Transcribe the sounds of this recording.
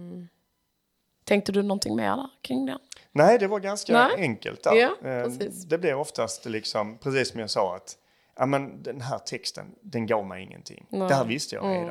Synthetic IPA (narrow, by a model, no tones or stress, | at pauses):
t̪ʰɛŋkt̪əd̪ɵnɔnt̪ʰɪŋmḛːɾd̪æɾkʰɾɪŋd̪ɛnnæːɪd̪ɛvaɾɡanskaɛŋkə̰lt̪̚d̪æɾː | d̪ɛblɪɾɔft̪ast̪lɪksɔmpʰɾɛs̬iːsːɔmjɑsɑːa̰t̪ | ʔamɛnd̪ɛnɦæːɾt̪ʰɛkst̪ʰə̰nd̪ɛnɡɑːɾmajɪŋːə̰nt̪ʰɪ̰ŋːɛhæːɾvɪst̪əjɑ̰